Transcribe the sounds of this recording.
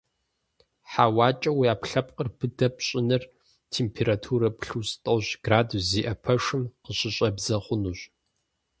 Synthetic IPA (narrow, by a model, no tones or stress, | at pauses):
ħawɑːt͡ʃʼɐwiaːpɬɐp̚ʼqʼərpʰɨdɐpɕʼɪnɨr | tʰeːmpʰeːɾatʰuːɾɐpɬustʼɐwʑɡ̥raːduziːʔɐpʰɐʂɨmqəɕʼɪɕʷʼɐbzɐχʷʊnuːɕ